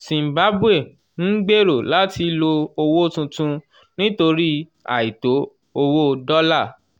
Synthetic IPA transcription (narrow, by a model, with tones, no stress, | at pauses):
sĩ˨m̩˨ba˨˦bu˦e˦˨ | n̩˦ɡ͡be˦˨ɾo˨la˨˦ti˧lo˧o˧wo˦tũ˧tũ˧ | nĩ˦to˧ɾi˦ | a̰˨i˨to˨˦ | o˧wo˦dɔ˦la˦˨